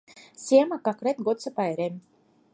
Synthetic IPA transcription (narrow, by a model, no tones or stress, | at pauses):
sʲiɛmakakɾɛt̪ɡɔt̪sapajɾemʲ